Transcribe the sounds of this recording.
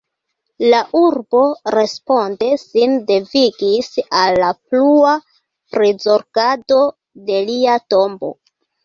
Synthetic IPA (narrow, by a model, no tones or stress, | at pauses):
laʔuɾbo̞ɾe̞spo̞nde̞sinde̞viɡisalːaplua | pɾizo̞ɾɡado̞ | de̞liato̞mbo̞̰